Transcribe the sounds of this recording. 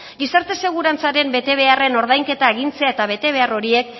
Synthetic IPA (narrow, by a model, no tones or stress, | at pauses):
ɡisaɾt̪e̞se̞ɣ̞uɾant͡saɾe̞mbe̞t̪e̞β̞e̞are̞no̞ɾðajŋke̞t̪aeɣ̞int͡se̞ae̞t̪aβ̞e̞t̪e̞βe̞aro̞ɾie̞k